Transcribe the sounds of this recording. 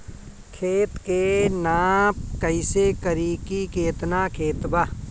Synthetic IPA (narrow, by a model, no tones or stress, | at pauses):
kʰeːt̪kenaːpkəɪsekəɾikikeːt̪nakʰeːt̪ba